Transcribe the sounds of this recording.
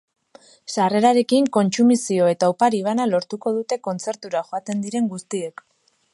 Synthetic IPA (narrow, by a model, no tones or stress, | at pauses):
sare̞ɾaɾe̞kiŋko̞nt͡sumisio̞e̞t̪awpaɾiβ̞analo̞ɾt̪uko̞ð̞ut̪e̞ko̞nt͡se̞ɾt̪uɾaxo̞at̪e̞nd̪iɾe̞ŋɡust̪ie̞k